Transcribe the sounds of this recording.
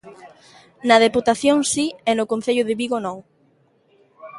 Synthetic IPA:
nɐð̞eput̪aθjoŋsiɛnʊkon̟θeʎʊðeβiɣonɔw

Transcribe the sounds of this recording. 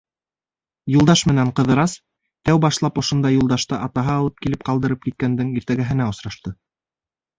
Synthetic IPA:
julˠd̪ɑʃmɘ̆næɴqɤ̆ðɤ̆ɾɑs | t̪æwbɑʃlˠɑpŏʃŏnd̪ɑjulˠd̪ɑʃt̪ɑʔɑt̪ɑɦɑːlˠɤp̚kilɘp̚qɑlˠd̪ɤ̆ɾɤp̚kit̪̚kænd̪ɘŋiɾt̪æɡæɦɘ̆næŏsɾɑʃt̪ɤ

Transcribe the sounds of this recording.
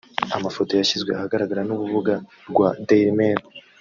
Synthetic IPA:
amafo̞to̞jaçizɡwe̞ahaɡaɾaɡaɾanuβuvuɡa | ɾɡwadeɾmeɾ

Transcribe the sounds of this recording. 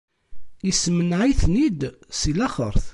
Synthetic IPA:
ismənʕiθnid̪silæχə̰ɾˤθ

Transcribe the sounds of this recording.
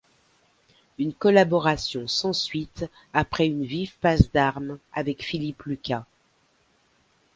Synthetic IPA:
ynkɔlabɔʁasjɔ̃sɑ̃sɥit̪ | apχɛynvivpazd̪aʁma̰vɛkfiliplyka

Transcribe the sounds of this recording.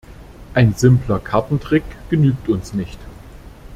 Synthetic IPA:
ʔaɪnzɪmplɐkʰaɐtn̩tʁ̥ɪkɡ̥ənyːk̚tʊnsnɪçt

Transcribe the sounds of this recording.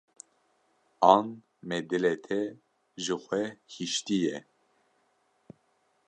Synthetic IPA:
ɑn | mɛd̪ɨlɛt̪ʰɛ | ʒɨxʷɛhiʃt̪ijɛ

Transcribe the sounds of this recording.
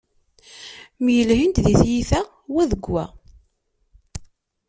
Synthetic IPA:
mjəlɦint̪ðiθjiθæ | wæðəɡːæ̰

